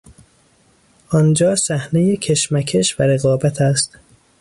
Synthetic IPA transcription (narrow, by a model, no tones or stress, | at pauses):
ʔɒnd͡ʒɒːsæhnejecʰe̞ʃmækʰeʃvæɾe̞ɣɒːbæt̪ʰæst̪